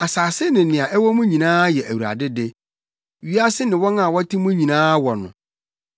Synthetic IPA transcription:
a˨saː˨sɪ˦nɪ̃˨nɪ̃˨ã˨ʔɛ˦wɔ˦mʊ̃˦ɲĩ˨nãː˦jɛ˨ʔæ˨wu˨ɾa̰˨dɪ˦de˦ | ɥi˦a˦sɪ˦nɪ̃˨wɔ˦nã˦˨wɔ˦tʰi˦mʊ̃˦ɲĩ˨nãː˦wɔ˨nʊ̰̃˨

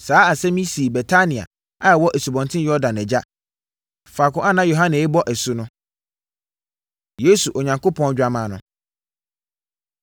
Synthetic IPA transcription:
saː˨˦a˨sɛ˦mĩ˦si˨bɛ˨tʰa˦nĩ˨a̰˨ | a˦ɛ˨wɔ˦ʔe˨su˨bɔ̃˨ntʰɪ̃˦jɔ˦dã˨nɛ˨d͡ʑa˦ | fa˨kʊ̃˦a˦nã˦jo˨ɦã˦nɪ̃˨ɛ˦bɔ˦ʔɛ˨sʊ˦nʊ̃˦ | je˦su˨ʔɔ˨ɲã˨ŋko˦pʰɔ̃˦n˦d͡ʑᶣa˦mã˨nʊ̰̃˨

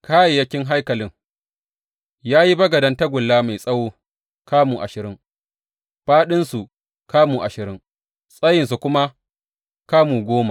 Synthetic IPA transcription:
kaː˦je˨jɐ˦kʲɪ˦ŋɦa˦jkɐ˨lɪ˦ŋ | jaː˦ji˦bɐ˦ɡɐ˨dɐ˦ntɐ˦ɡʷʊ˨lːaː˦ma˨jsʼɐ˦woː˦ | kaː˦muː˨ʔa̰˨ʃɪ˨ɾɪ˦ŋ | ɸaː˦ɗɪ˦nsu˨ | kaː˦muː˨ʔa˨ʃɪ˨ɾɪ˦ŋ | sʼɐ˦jɪ˨ns̬u˨kʷʊ˦ma˦ | kaː˦muː˨ɡʷoː˦ma˨

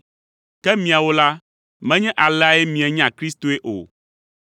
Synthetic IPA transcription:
kɛ˦mĩ˨a˨wo˦la˦ | mɛ̃˦ɲɛ̃˦ʔa˨lɛ˦a˦e˦mĩ˨ɛ˨ɲ˦ã˨kɾi˦st̪o˨e˦ʔo̰˨

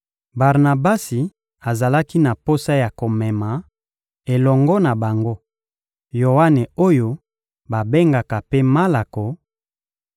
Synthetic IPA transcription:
ba˨ʁna˨ba˦si˨ | a˨za˨la˦ki˦na˨po˦sa˦ja˨ko˨mɛ˨ma˨ | e˨lɔ˨ŋɡɔ˦na˨ba˨ŋɡo˦ | jo˨wa˦ne˨o˦jo˦ | ba˨be˦ŋɡa˨ka˨pe˦ma˦la˨ko˨

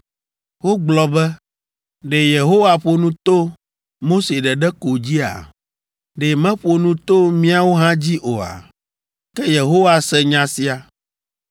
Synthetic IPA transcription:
wo˦ɡ͡blɔ˨bɛ˦ | ɖe˨je˨ɦo˦wa˨ɸo˨nũ˦t̪o˦ | mo˦se˨ɖɛ˨ɖɛ˦ko˨d͡ʑi˦a̰˨ | ɖe˨mɛ̃˦ɸo˨nũ˦t̪o˦mĩ˦a˨wo˦ɦã˦d͡ʑi˦ʔo˨a̰˨ | kɛ˦je˨ɦo˦wa˨sɛ˦ɲã˦si˨a˨

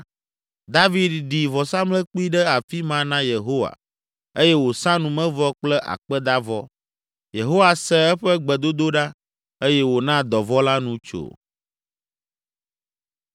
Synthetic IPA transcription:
d̪a˦vi˨d̪ɖi˨vɔ˨sã˦mlɛ˦k͡pu˦i˦ɖɛ˦a˨fi˦mã˦nã˦je˨ɦo˦wa̰˨ | e˦jɛ˦wo˨sã˦nũ˨mɛ̃˦vɔ˦k͡plɛ˦ʔa̰˨k͡pɛ˦d̪a˦vɔ˦ | je˨ɦo˦wa˨sɛ˦ɛ˦ɸɛ˦ɡ͡bɛ˨d̪o˦d̪o˦ɖa˦ | e˦jɛ˦wo˨nã˦d̪ɔ˨vɔ˦la˦nũ˦t͡ʃo̰˨

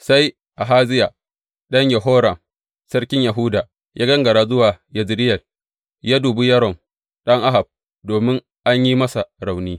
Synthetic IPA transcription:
sa˦j | ʔa˨ɦaː˦zɪ˦ja˨ | ɗɐ˦ɲjɐ˨ɦoː˦ɾɐ˨m | sɐ˦rkʲɪ˦ɲjɐ˨ɦʊ˦daː˨ | jʔaː˦ɡɐ˦ŋɡɐ˨ɽaː˦zʊ˦waː˨ | jɐ˨zɾɪ˦jɐ˨l | jaː˦duː˨bu˦jɐ˦ɾɔ˨m | ɗɐ˦ŋʔa˦ɦa˨b̚ | doː˨mɪ˦ŋ | ʔa˦ɲji˦mɐ˦sa˨ɾa˨wniː˦

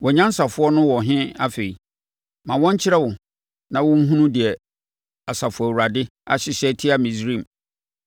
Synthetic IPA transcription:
wɔ˨ɲã˦n̩˦sa˨fʊ˦ɔ˦nʊ̃˦wɔ˨ɦɪ̃˦a˦fe˨i˨ | mã˨wɔ̃˦ɲ˦t͡ɕʰɪ˦ɾɛ˦wʊ˨ | nã˦wʊ̃˦ŋ̩˦ɦũ˦nũ˦dɪ˨ɛ˨ | a˨sa˨fʊ˨ɔ˨u˨ɾa˨dɪ˦a̰˦˨ɕɪ˨ɕɛ˦tʰɪ˦a˦mĩ˨sɾĩ˦˨m˨

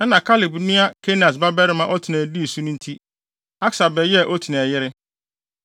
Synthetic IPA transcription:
ɛ˦nã˨kʰa˦lɪ˨bnĩ˦a˦kʰe˦nã˨s̬ba˦bɛ˦ɾɪ˦mã˨ʔɔ˦tʰi˨næ̃˨di˦˨su˦nʊ̃˦n̩˦tʰi˦ | a˦ksa˨bɛ˨jɛ˦˨ʔɔ˦tʰi˨nɛ̃˨jɪ˦ɾɪ˦

